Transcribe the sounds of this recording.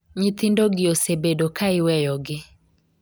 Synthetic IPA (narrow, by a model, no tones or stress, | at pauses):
ɲɪt̪ɪndoɡɪosebedokaɪwɛjɔɡɪ